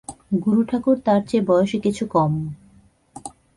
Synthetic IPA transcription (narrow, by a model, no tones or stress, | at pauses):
ɡuɾuʈʰakuɾt̪aɾt͡ɕebɔeoʃekit͡ɕʰukɔm